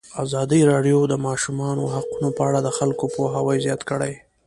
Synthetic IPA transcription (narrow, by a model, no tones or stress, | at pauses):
azɑd̪iɾɑɖjod̪əmɑʃumɑnoɦaqunopəaɽad̪əxalkopoɦawajzjɑt̪kəɽaj